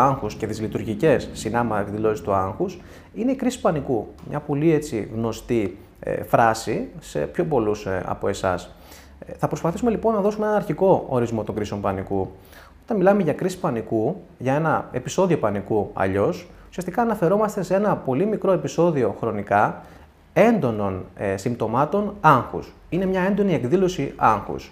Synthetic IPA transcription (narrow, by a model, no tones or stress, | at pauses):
ɐŋxusce̞ðizlit̪uɾʝice̞sːinɐmɐt̪ɐt̪izðilo̞sist̪uɐŋxus | ine̞ikɾisi̥pɐnikumɲɐpo̞lie̞t͡sḭɣno̞st̪ḭ | fɾɐsise̞̰pço̞po̞lusɐ̰po̞e̞sɐ̰s | θɐpɾospɐθisume̞lipo̞nːɐðo̞sumeenɐnɐɾçiko̞oɾizmo̞t̪o̞ŋɡɾiseo̞mpɐniku | o̞t̪ɐnmilɐme̞ʝɐkɾisi̥spɐniku | ʝɐe̞nɐe̞piso̞ðio̞pɐnikuɐ̰ʎo̞s | u̥siɐst̪ikɐːnɐfe̞ɾo̞mɐst̪e̞see̞nɐpo̞limikɾo̞e̞piso̞ðioxɾo̞nikɐ | e̞nd̪o̞no̞nsimt̪o̞mɐt̪o̞nɐŋxṵs | ine̞mɲɐe̞nd̪o̞nie̞kðilo̞siʔɐŋxṵs